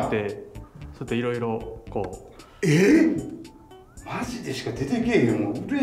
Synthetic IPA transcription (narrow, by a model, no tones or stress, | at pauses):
t̪ːe̞sot̪oiɾo̞iɾo̞ko̞ː | e | maʑid̪esɨ̥kad̪et̪ekʲeomoɯɾe